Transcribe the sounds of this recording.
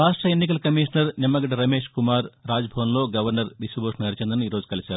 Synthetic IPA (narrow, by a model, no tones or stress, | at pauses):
ɾaːʂʈrɐenːik̬ɐlkɐmiːʂɐɳɐɾnɐmːɐɡɐʈɐɾɐme̞ːʂkumaːɾraːd͡ʒɐbʱɐʋɐnlo̞ːɡɐʋɐɾnɐɾʋisɐbʱoʂɐnɐɐɾt͡ɕend̪ɐnːuiːɾo̞ːd͡ʒukɐlit͡ɕaːɾu